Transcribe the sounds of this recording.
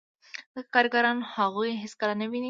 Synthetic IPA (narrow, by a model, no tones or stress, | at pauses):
d̪əkɑɾɡaɾɑnhaɣujɦɪskaɾanəwini